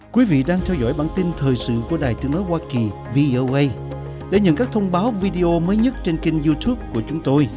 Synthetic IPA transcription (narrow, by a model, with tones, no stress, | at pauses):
kwi˨˦vḭ˧˨ɗaː˧ŋt̪ʰɛ˧wzɔ̰˧˩jɓaː˧˩nt̪i˧nt̪ʰəː˨˩jsɨ̰˧˨ku˧˩əɗaː˨˩jt̪ɨ˨˦əŋnɔ˨˦jwaː˧ki˨˩ | vi˧ʔo˧wʔə˧j | ɗḛ˧˩ɲə̰˧˨nkaː˦˥k̚t̪ʰə˧wŋ͡mɓaː˨˦wvi˧ɗi˧ʔo˧məː˨˦jɲə˦˥t̚t͡ɕe˧nki˧ŋzu˧t̪ʰu˦˥p̚ku˧˩ət͡ɕʊ˨˦ŋ͡mt̪o˧j